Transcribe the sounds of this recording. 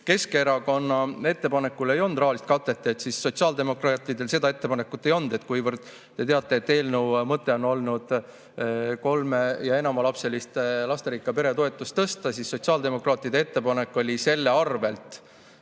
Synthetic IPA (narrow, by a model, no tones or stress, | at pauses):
ke̞skeɾɑko̞nːɑe̞t̪ːe̞pɑne̞kːule̞jo̞nd̪ɾɑhɑlist̪̚kɑt̪ːˑe̞t̪ːeet̪sisːo̞t̪siɑːld̪e̞mo̞krɑt̪ˑid̪e̞lse̞d̪̥ɑe̞t̪ːe̞pɑne̞kːˑut̪ːˑe̞jo̞nd̪̥e̞t̪kujvərd̪̥ | t̪e̞t̪eɑt̪ːˑe̞ːt̪ːe̞ːlnewmɤt̪ˑːe̞o̞no̞lnud̪̥ | ko̞lme̞jɑe̞nɑmɑlɑpse̞list̪lɑst̪eɾikːˑɑpe̞ɾe̞t̪o̞e̞t̪ːˑust̪ːɤst̪ɑsisːo̞t̪siɑːld̪e̞mo̞krɑːt̪ːˑid̪e̞e̞t̪ːe̞pɑne̞kːˑo̞lʲise̞lːe̞ɑrve̞lt̪ˑ